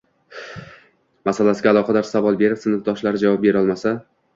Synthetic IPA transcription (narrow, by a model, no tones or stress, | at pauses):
masalasɪɡʲaːlˠɒqʰɑd̪aɾsavɒlˠbe̞ɾɪpsɪnɨfd̪ɒʃlaɾɪd͡ʒavɒp̚be̞ɾɒlˠmasa